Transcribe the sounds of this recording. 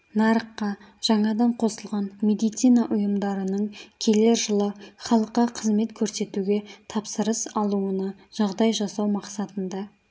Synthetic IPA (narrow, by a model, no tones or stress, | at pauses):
nɑɾəqːɑ | ʒ̥ɑɴɑd̪ɑɴqʰo̞səlˠʁɑnme̞d̪ijt̪sijnɑʔʊjəmd̪ɑɾənəɴkʲʰe̞leɾʒəlˠəχɑlˠəqːɑqʰəzme̞t̪kʲʰɵɾse̞t̪uɡʲe̞t̪ʰɑpsəɾəsɑlˠuənɑʒ̥ɑʁd̪ɑjʒɑsɑwmɑqsɑt̪ənd̪ɑ